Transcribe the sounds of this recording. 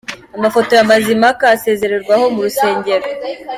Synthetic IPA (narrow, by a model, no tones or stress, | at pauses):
amafo̞to̞jamazimakaːse̞ːze̞ɾe̞ɾɡwaho̞muɾuse̞ːɲɟe̞ɾo